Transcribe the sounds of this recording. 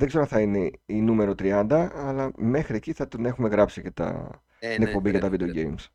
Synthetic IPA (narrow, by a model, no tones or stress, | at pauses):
ðeɡze̞ɾoθɐine̞inume̞ɾo̞t̪ɾiɐnd̪ɐːlɐme̞xɾieciθɐt̪one̞xume̞ɣɾɐpsicet̪ɐ̰ | t̪t̪inek̚po̞mbiɣɐt̪ɐvid̪eoɟe̞jms